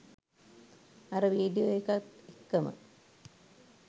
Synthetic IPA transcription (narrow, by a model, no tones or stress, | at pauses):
ɐɾəʋiːɖijojekat̪ekːɐmə̰